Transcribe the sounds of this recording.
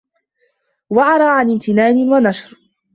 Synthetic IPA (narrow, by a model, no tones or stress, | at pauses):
waʕɑɾˤɑːʕanɪmt̪ɪnaːnɪnwanaʃɾ